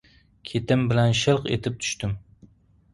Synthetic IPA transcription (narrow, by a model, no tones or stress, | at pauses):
kʲʰet̪ɪmbɪlɛnʃɨlˠqḛt̪ʰɪp̚t̪ʰy̥ʃt̪ɪm